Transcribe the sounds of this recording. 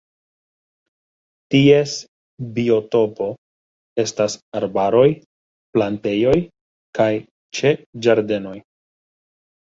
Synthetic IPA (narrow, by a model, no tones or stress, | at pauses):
tie̞s | bio̞to̞po̞ | e̞stasaɾbaɾo̞j | plante̞jo̞j | kaj | t͡ʃe̞d͡ʒaɾde̞no̞j